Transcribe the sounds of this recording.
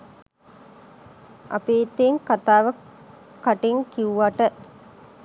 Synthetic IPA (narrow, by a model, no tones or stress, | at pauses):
ʔa̰peːt̪eŋkat̪aːʋə | kːaʈeŋkiuʋaʈə